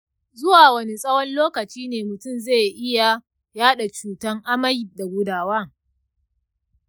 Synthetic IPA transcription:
zʊ˦waː˨wɐ˦ni˦sʼɐ˦wɔ˦nloː˦kɐ˨t͡ʃiː˦neː˨mʊ˨tʊ˦˨mzeː˦˨jʔɪ˦ja˨ | jaː˦ɗa˨t͡ʃuː˨tɐ˦ŋʔa˦mɐ˦jɪ˨da˨ɡʷʊ˦daː˨waː˦

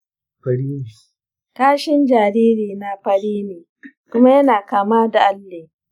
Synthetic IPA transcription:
ɸɐ˦ɽiː˦ne˨ | kaː˦ʃɪ˦nd͡ʒaː˨ɾiː˦ɾiː˨na˦ɸɐ˦ɽiː˦neː˨ | kʷʊ˦ma˦jɐ˦naː˨kaː˨maː˦da˨ʔa˦lːeː˨

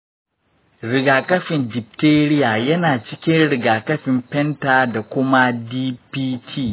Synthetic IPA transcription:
ɾɪ˨ɡaː˨kɐ˦ɸɪ˨ndɪ˨p̚teː˦ɾɪ˦jaː˨jɐ˦naː˨t͡ʃɪ˦kʲɪ˦nɽɪ˨ɡaː˨kɐ˦ɸɪ˨mɸɛ˦ntaː˨da˨kʷʊ˦ma˦diː˦piː˦tʰiː˦˨

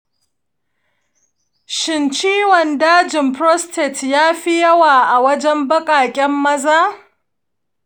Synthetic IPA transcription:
ʃɪ˨nt͡ʃiː˦wɔ˨ndaː˦d͡ʒɪ˨mpɾɔ˦stʰɛ˨tjaː˦ɸi˦jɐ˦waː˨ʔa˨wɐ˦d͡ʒɛ˦mbɐ˦kʼaː˨kʲʼɛ˦mːɐ˦zaː˦

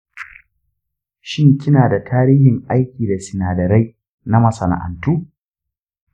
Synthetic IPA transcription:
ʃɪ˦ŋkʲɪ˦naː˨da˨tʰaː˦ɾiː˦hɪ˨ŋʔa˦jkʲiː˨da˨sɪ˨naː˨dɐ˨ɾa˦j | na˦mɐ˨sɐ˨na̰˨ʔa̰˨ntuː˦

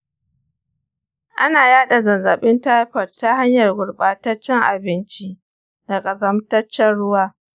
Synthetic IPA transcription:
ʔa˦naː˨jaː˦ɗa˨zɐ˨nzɐ˨ɓɪ˦nta˦jɸɐ˨rtːa˦ha˦ɲjɐ˨rɡʷʊ˨rɓaː˦tɐ˦t͡ʃːɛ˦ŋʔa̰˨bɪ˦nt͡ʃi˦ | dɐ˨kʼɐ˨zɐ˦mtɐ˦t͡ʃːɛ˦nɽʊ˦waː˦

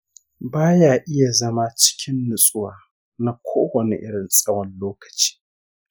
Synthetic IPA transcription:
baː˦jaː˨ʔɪ˦ja˨zɐ˦ma˦t͡ʃɪ̥˦kʲʰɪ˦nːʊ˨sʼʊ˦waː˨ | na˦kʷʰoː˦wɐ˨nḛ˨ʔɪ˦ɽɪ˨nsʼɐ˦wɐ˨nloː˦kɐ̥˨t͡ʃi̥ː˦

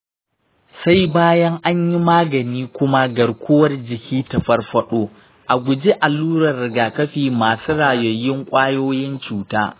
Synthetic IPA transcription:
sa˦jbaː˦jɐ˦ŋʔa˦ɲji˦maː˦ɡɐ˨niː˦kʷʊ˦ma˦ɡɐ˨ɽkʷʊ˦wɐ˦rd͡ʒɪ˨kʲiː˦tɐ˨ɸɐ˦rɸɐ˦ɗoː˦ | ʔa˨ɡʷʊ˨d͡ʒe˦ʔa˨lːuː˦ɾɐ˨rɽɪ˨ɡaː˨kɐ˦ɸiː˨maː˨suː˦ɽaː˨jɐ˨jːɪ˦ŋkʷʼaː˦joː˦jɪ˦nt͡ʃuː˨ta̰ː˦

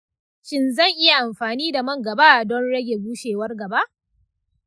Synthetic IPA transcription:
ʃɪ˦nzɐ˦˨ŋʔɪ˦ja˨ʔa˨mɸaː˨niː˦da˨mɐ˦ŋɡɐ˨baː˦dɔ˦nɽɐ˦ɡʲe˨ɡuː˦ʃeː˨wɐ˦rɡɐ˨ba˦ʔ

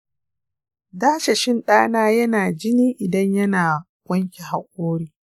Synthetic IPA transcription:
daː˦ʃe˨ʃɪ˦nɗaː˦naː˦jɐ˦naː˨d͡ʒɪ˦niː˦ʔɪ˨dɐ˦ɲjɐ˦naː˨ | ɡʷɐ˦ŋkʲe˨ha˨ʔʷʼoː˦ɽiː˦

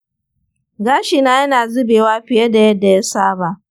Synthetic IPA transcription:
ɡaː˦ʃi˨na˦jɐ˦naː˨zʊ˦beː˨waː˦ɸɪ˨jɐ˦da˨jɐ˦dːa˨ja˦saː˦baː˨

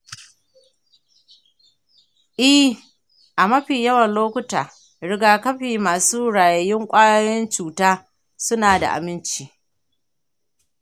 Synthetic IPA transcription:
ʔɪ˦h | ʔa˨mɐ˦ɸiː˨jɐ˦wɐ˨nloː˦kʷʊ˦taː˨ | ɽɪ˦ɡaː˦kɐ˦ɸiː˨maː˨suː˦ɽaː˨jɐ˨jɪ˦ŋkʷʼaː˦ja˦jɔ˦nt͡ʃuː˨taː˦ | sʊ˦naː˨da̰˨ʔa̰˨mɪ˦nt͡ʃiː˦

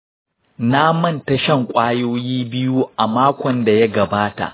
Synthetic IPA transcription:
na˦mɐ˦˨nta˦ʃɐ˦˨ŋkʷʼaː˦joː˦jiː˦bɪ˦ju˦ʔa˨maː˦kʷɔ˨nda˨ja˦ɡɐ˨baː˦ta̰˨ʔ

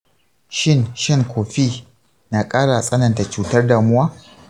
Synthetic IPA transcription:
ʃɪ˦nʃɪ˦ŋkʷʰoː˨ɸiː˦ | naː˨kʼaː˦ɽa˨sʼɐ˦nɐ˨nta˨t͡ʃuː˦tɐ˦rda˨mʊ˦waː˦

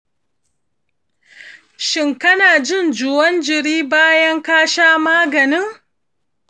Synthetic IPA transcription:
ʃɪ˨ŋkɐ˦naː˨d͡ʒɪ˦˨nd͡ʒʊ˨wɐ˦nd͡ʒɪ˨ɽiː˦baː˦jɐ˦ŋkaː˦ʃaː˦maː˦ɡɐ˨nɪ˦ŋ

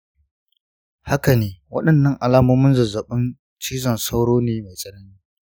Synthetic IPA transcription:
ha˦kɐ˨neː˦wɐ̰˦ɗɐ˨nːɐ˦ŋʔa˨laː˦moː˦mɪ˦nzɐ˨zɐ˨ɓʊ˦n | t͡ʃiː˦zɐ˨nsa˦wɽoː˦neː˦ma˨jsʼɐ˦nɐ˦niː˦

